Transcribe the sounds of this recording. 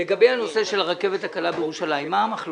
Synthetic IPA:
eɡabejhano̞se̞ʃe̞laʁake̞vet̪hakalabejeʁuʃalaimːaamaχl

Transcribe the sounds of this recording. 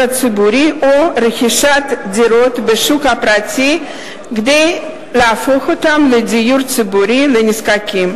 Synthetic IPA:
at͡sɨbuɾiʔoɾexiʃat̪d̪iɾot̪beʃukapɾat͡si | ɡd̪ej | leafoxot̪amledijuɾt͡sɨbuɾileniskakʲim

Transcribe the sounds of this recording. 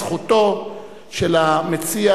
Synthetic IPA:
χuto̞ | ʃelamet͡sia

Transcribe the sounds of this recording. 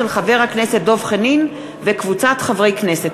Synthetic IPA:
elχaveʁhakneset̚d̪o̞vχenin | vekvut͡sat̪χavʁejkneset

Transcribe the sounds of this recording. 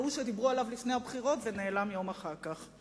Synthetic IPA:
uʃed̪ibʁualavlifnehabχiʁo̞tvene̞ːlamjo̞maχaʁkaχ

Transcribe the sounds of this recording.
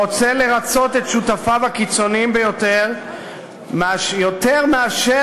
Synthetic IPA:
ot͡sele̞ʁat͡so̞t̪etʃut̪afavakit͡so̞niimbejo̞t̪eʁ | maʃjot̪eʁmeaʃe

